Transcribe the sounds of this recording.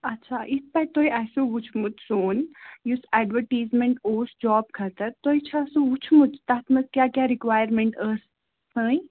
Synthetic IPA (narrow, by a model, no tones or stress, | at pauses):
ɐtːʃʰaːʔɪt̪̚ʰpɐt̪oiʔasũʋʊt͡ʃʰmut̪soːnjusɛːɖʋəɾʈiːzmẽɳʈoːsd͡ʒɔːb̚kʰɐt̪əɾt̪oːit͡ʃʰaːsũʋʊt͡ʃʰmut̪t̪at̪ʰmɐt̪kjaːkjaːɾikʋaːjəɾmẽɳʈəːsː | ə̃ːi